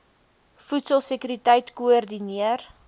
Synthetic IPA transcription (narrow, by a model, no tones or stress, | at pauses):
futsəlˠsəkyɾitəjtkuərdiniər